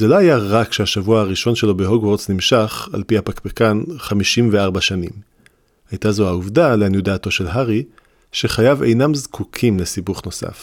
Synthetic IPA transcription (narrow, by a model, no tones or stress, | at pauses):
zelohajaʁakʃehaʃavuahaʁiʃo̞nʃe̞lo̞beɦo̞ɡwoʁt͡snimʃaχa̰lpihapakbekanχamiʃimveaʁbaʃanḭm | hajtazoauvdaleanjudaːto̞ʃe̞lɦaʁi | ʃe̞χajavḛjnamzkʰukʰimlesibuχno̞sa̰f